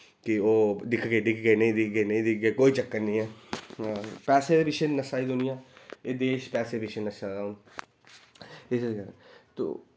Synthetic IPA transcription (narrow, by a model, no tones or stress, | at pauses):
kɪoːd̪ɪkʰɡeːɖɪkʰɡeːnəĩːd̪ɪkɡenĩːd̪ɪkʰɡeːkoːiːt͡ʃəkːənĩːɛː | pɛːsebɪʃənːəsaːid̪ʊnɪjãːeːd̪eːʃpɛːseːbɪʃənːəsaːd̪aʊn | ɪsɡəɾt̪o̰ː